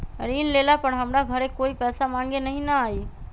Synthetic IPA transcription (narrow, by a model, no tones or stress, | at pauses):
ɾiːnleːlapəɽɦəmɾaɡʱəɾekoːipɛːsamãːŋɡenɐɦĩnaaːiː